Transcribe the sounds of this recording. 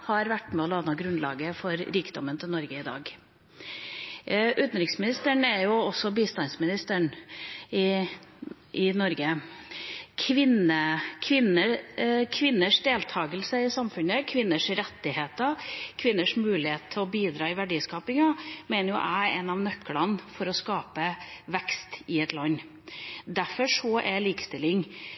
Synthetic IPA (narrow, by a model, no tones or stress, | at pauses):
hɑɾʋæʈːmɛɔlɑnəɡɾʉnlɑ̰ːɡəfɔɾɾiːkd̪ɔmːənt̪ʰɪlnɔɾɡəɪd̪ɑ̰ːɡ | ʔʉːt̪n̩ɾɪksmɪnɪst̪əɳɛɾjʊɔsːɔbiːst̪ɑnsmɪnɪst̪əɳ | ɪ | ʔɪnɔɾɡə | kʰʋɪnəkʰʋɪnːəkʰʋɪnːəʂd̪eːlt̪ʰɑːɡəlsəɪsɑmfʉnəkʰʋɪnːəʂɾɛt̪ːɪheːt̪əkʰʋɪnːəʂmʉːlɪheːt̪t̪ʰːɪlɔbiːd̪ɾɑːɪʋæɖiːskɑːpɪŋɑmeːnəɾjʊ̰ʔæɪɛnɑʋnœkʰːəlɑnfɔɾɔskɑːpəʋɛkst̪ɪɛt̪lɑnː | d̪æfɔʂɔʔɛliːkə̥st̪ɪlːɪŋ